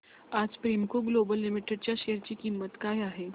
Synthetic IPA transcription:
ad͡zpɾimkoɡlobəlːɪmiʈeɖ̚t͡ɕjaʃejəɾt͡ɕiːkimːət̪kaɦjaɦe

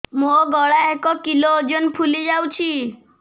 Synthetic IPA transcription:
moɡɔɭaekɔkilod͡ʒɔnpʰulid͡ʒawt͡ʃʰi

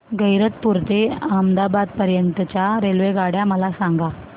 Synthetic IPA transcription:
ɡəjɾət̪̚puɾt̪eəmd̪abad̪̚pəɾjəɳt̪ət͡ɕjaɾelʋeɡaɽjaməlasaŋɡa

